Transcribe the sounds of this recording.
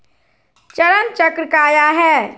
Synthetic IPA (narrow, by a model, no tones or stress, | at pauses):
t͡ʃəɾənt͡ʃəkɾəkaːjaɦɛ